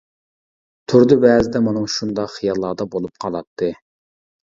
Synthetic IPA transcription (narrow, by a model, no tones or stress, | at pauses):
t̪ʰuɾd̪ɨbɛːzɪd̪ɛmɑnɨŋʃund̪ɑqχijɑlˠːɑːd̪ɑbolˠup̚qʰɑlˠɑt̪ʰːɨ